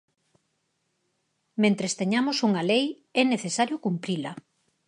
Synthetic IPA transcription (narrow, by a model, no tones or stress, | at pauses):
mẽnt̪ɾest̪eɲamosuŋalej | ɛneθesaɾjokumpɾilɐ